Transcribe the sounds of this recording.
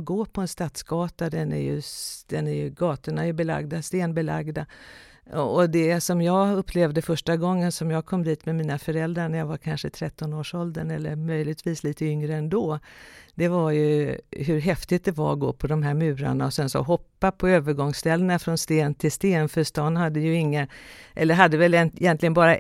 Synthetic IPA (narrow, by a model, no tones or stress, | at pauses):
ɡoːpʰɔɛnst̪at̪sɡɑːt̪ad̪ɛnæ̰ɾjɵ̰d̪̥ɛnæɾjɵɡɑːt̪əɳaɛɾjɵbɛla̰ɡd̪ast̪eːnbɛla̰ɡd̪a | ɔd̪ɛsɔmjɑːɡɵpʰːlɛvd̪əfœʂʈaɡɔŋːənsɔmjɑːɡ̚kʰɔmːd̪iːt̪mɛmiːnafœɾɛld̪ɾaɳæjaːvaɾkʰanʂət̪ʰɾɛt̪ːɔnoːʂɔld̪ənɛlːəɾmœjlɪɡ̚t̪ʰviːsliːt̪əʏŋɾəɛnd̪oːd̪̥ɛvaɾjɵɦɵɾɦɛft̪ɪt̪̚d̪ɛva̰ɾɡo̰ːpʰɔd̪ɔmɦæɾmʉ̟ːɾa̰ɳaɔsɛnsɔ̰ɦɔpːapʰɔøːvəɾɡɔŋst̪ɛlːənafɾɔnst̪eːnt̪ʰɪlst̪eːnfœʂt̪ɑnhad̪ːəjɵɪŋːaʔɛlːəɾɦad̪ːəvɛlɛnjɛnt̪lɪɡənbɑːɾa